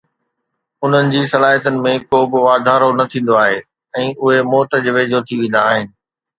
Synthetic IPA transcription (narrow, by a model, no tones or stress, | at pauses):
ʊn̤ənɪ̆d͡ʑiːsɐlaːɦiət̪ənɪ̆mẽkoːbɪʋaːd̪ʱaːɾonɐt̪ʰĩːn̆d̪oaːɦeː | ɛ̃ːʔʊɦemɔːt̪ə̆d͡ʑʋeːd͡ʑʱot̪ʰiʋẽːnd̪aːɦɪnɪ̆